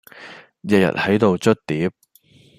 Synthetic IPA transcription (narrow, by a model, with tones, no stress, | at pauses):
jɐ˨jɐ̰˨˩t̚hɐ˨˥jt̪o˨wt͡ʃɵ˥t̚t̪iː˨˥p̚